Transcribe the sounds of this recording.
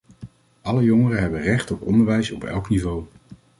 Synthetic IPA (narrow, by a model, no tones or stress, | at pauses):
ʔɑləjɔŋərəɦɛbənrɛχtɔpɔndəɹʋɛjsɔpɛ̰lˠknivow